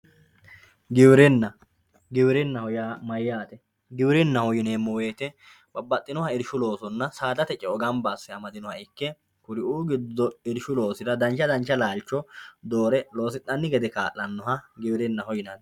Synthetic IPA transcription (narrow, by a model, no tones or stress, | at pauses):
ɡɪwɪɾɛnːɐ | ɡɪwɾɛnːɐhɔjaːmɐjːaːt̪ɛ | ɡɪwɪɾɪnːɐhɔjɪneːmːɔweːt̪ɛ | b̥ɐbːɐt̪ʼːɪnɔhɐɪɾʃʊlo̞ːsɔnːɐsaːd̪ɐt̪ɛt͡ʃʼɛɔɡɐmbaːsːɛɐmɐd̪ɪnɔhɐɪkːɛ | kʊɾɪʔuːɡɪd̪ːɔɪɾʃʊlo̞ːsɪɾɐd̪ɐnt͡ʃːɐd̪ɐnt͡ʃːɐlaːlt͡ʃːɔd̪oːɾɛlo̞ːsɪt̪ʼːɐnːɪɡɛd̪ɛka̰ːʔːɐnːɔhɐɡɪwɪɾɛnːɐhɔjɪnɐn